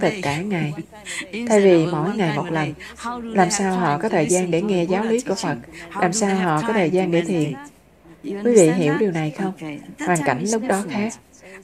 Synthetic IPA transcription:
t̪ə˨˩t̚kaː˧˩ŋa˨˩j | t̪ʰa˧jvi˨˩mo̰˧˥˩jŋa˨˩jmo˨˩t̚lə˨˩n | laː˨˩msaː˧wɦɔ̰˧˨kɔ˨˦t̪ʰəː˨˩jzaː˧nɗe˧˩ŋɛ˧zaː˨˦wli˨˦ku˧˩əfə˨˩k̚laː˨˩msaː˧wɦɔ̰˧˨kɔ˨˦t̪ʰəː˨˩jzaː˧nɗe˧˩t̪ʰḭ˧˨ən | kwi˨˦˥vḭ˧˨ɦi˧˩əwɗi˨˩wna˨˩jxə˧wŋ͡mhwaː˨˩ŋka̰˧˩jŋ̟lʊ˦˥k͡p̚ɗɔ˨˦xaː˦˥k̚

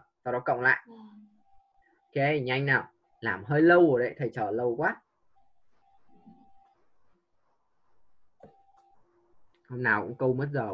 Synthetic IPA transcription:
zaː˨˩ɗɔ˨˦˥kə̰˧˨wŋ͡mla̰ː˧˨jʔ | ke˧ɲa˧jŋ̟naː˨˩w | laː˨˩mɦəː˧jlə˧wo˨˩ɗə˧˨˩t̪ʰə˨˩jt͡ɕəː˧˩lə˧wkwaː˦˥t̚ | ho˧ŋ͡mnaː˨˩wkʊ̰˧˥ŋ͡mkə˧wmə˦˥t̚zəː˨˩

